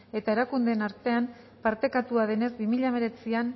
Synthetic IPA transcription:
e̞t̪ae̞ɾakund̪e̞ːnaɾt̪e̞am | paɾt̪e̞kat̪uaðe̞ne̞zbimiʎaβe̞ɾe̞t͡sian

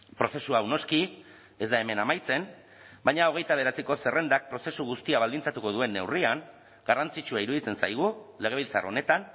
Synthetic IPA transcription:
pɾo̞se̞suawno̞ski | e̞zd̪ae̞me̞namajt͡se̞n | bajɲao̞ɣ̞e̞jt̪aβ̞e̞ɾet͡siko̞se̞re̞nd̪ak̚pɾo̞se̞suɣ̞ust̪iaβald̪int͡sat̪uko̞ð̞ue̞nːe̞wriaŋ | ɡarant͡sit͡ʃuaiɾuðit͡se̞nsajɣ̞ule̞ɣe̞β̞ilt͡saro̞ne̞t̪an

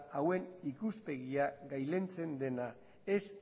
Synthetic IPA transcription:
awe̞nikuspe̞ɣiaɣajle̞nt͡se̞nd̪e̞na | e̞s

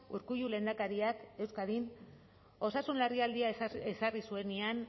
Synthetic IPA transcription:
uɾkuʝule̞nd̪akaɾiake̞wskaðin | o̞sasunlariald̪iaesarisue̞nian

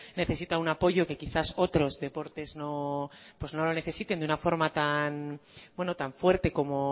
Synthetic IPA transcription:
ne̞θe̞sit̪aunapo̞ʝo̞ke̞kiθaso̞t̪ɾo̞zðe̞po̞ɾt̪e̞zno̞pwe̞zno̞lo̞ne̞θe̞sit̪e̞nd̪unafo̞ɾmat̪anbwe̞no̞t̪aɱfwe̞ɾt̪e̞ko̞mo̞

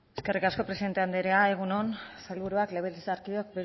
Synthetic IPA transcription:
e̞ske̞rikasko̞pɾesiðe̞nt̪e̞and̪eɾeae̞ɣ̞unonsalβuɾuakle̞βeld̪isaɾkiok̚biɾ

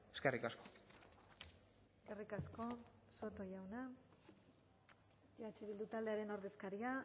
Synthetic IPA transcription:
eskerikasko | ɡe̞rikasko̞so̞t̪o̞jawna | at͡ʃeβild̪ut̪ald̪e̞aɾe̞no̞ɾðe̞skaɾia

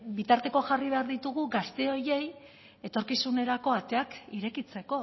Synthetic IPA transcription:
bit̪aɾt̪e̞ko̞ʝariβ̞e̞aɾðit̪uɣuɡast̪e̞o̞je̞j | e̞t̪o̞ɾkisune̞ɾako̞at̪e̞akiɾe̞kit͡se̞ko̞

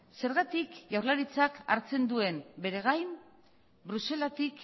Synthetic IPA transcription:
se̞ɾɣat̪ikʝawɾlaɾit͡saka̰ɾt͡se̞nd̪ue̞mbe̞ɾe̞ɣ̞ajm | bɾuse̞lat̪ik

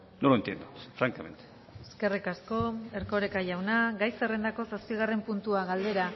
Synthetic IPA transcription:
nolaent̪jend̪ufɾaŋkamḛnt̪ | eske̞rikasko̞e̞ɾko̞ɾe̞kaʝawnaɡajse̞re̞nd̪ako̞saspiɣ̞arempunt̪uaɣald̪e̞ɾa

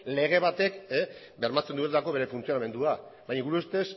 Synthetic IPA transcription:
le̞ɣ̞e̞βat̪e̞ke | be̞ɾmat͡se̞nd̪uent̪ako̞βe̞ɾe̞funt͡sijo̞name̞nd̪uabajɲaɣuɾuest̪es

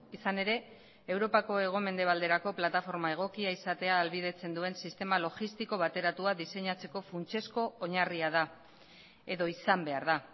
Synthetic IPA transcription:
isane̞ɾe̞ | ewɾo̞pako̞e̞ɣ̞o̞me̞nd̪e̞β̞ald̪e̞ɾako̞plat̪afo̞ɾmae̞ɣ̞o̞kiaisat̪e̞aːlβiðe̞t͡se̞nd̪ue̞nsist̪e̞malo̞ɣist̪iko̞βat̪e̞ɾat̪uaðise̞ɲat͡se̞ko̞funt͡ʃe̞sko̞ːɲariaða | e̞ðo̞isambe̞aɾða

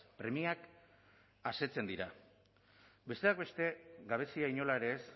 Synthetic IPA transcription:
pɾe̞miak | ase̞t͡se̞nd̪iɾa | be̞st̪e̞aɡ̚be̞st̪e̞ɡaβ̞e̞siaiɲo̞laeɾe̞ːs

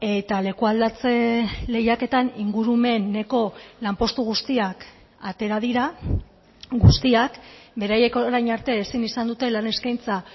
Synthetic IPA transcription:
e̞t̪ale̞kuald̪at͡se̞le̞jake̞t̪aniŋɡuɾume̞nːe̞ko̞lampo̞st̪uɣ̞ust̪iak | at̪e̞ɾað̞iɾa | ɡust̪iakbe̞ɾaje̞koɾajɲaɾt̪e̞ːsinisand̪ut̪e̞lane̞skajnt͡sa

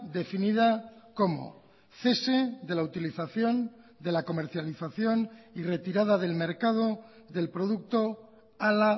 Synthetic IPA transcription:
d̪e̞finiðako̞mo̰ | θe̞se̞d̪e̞laut̪iliθaθjo̞nd̪e̞lako̞me̞ɾθjaliθaθjo̞nire̞t̪iɾað̞aðe̞lme̞ɾkað̞o̞ | ðe̞lpɾo̞ð̞uk̚t̪o̞ | ala

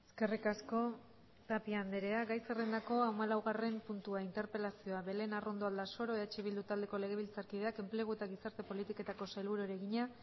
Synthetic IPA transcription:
eske̞rikasko̞ | t̪apiand̪e̞ɾe̞aɡajserend̪ako̞amalawɣare̞mpunt̪uaint̪e̞ɾpe̞lasio̞aβe̞le̞narʔo̞nd̪oald̪aso̞ɾo̞eðat͡ʃiβild̪ut̪ald̪e̞ko̞le̞ɣ̞e̞β̞ilt͡saɾkiðe̞ake̞mple̞ɣ̞ue̞t̪aɣ̞isaɾt̪e̞po̞lit̪ike̞t̪ako̞sajlβuɾoeɾe̞ɣiɲa

